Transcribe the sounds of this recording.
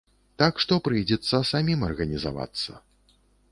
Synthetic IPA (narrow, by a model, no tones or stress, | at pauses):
t̪akʂt̪ɔpɾɨjd͡zʲɛt̪sːɐsamʲimɐrɣɐnʲiza̰va̰t̪sːɐ̰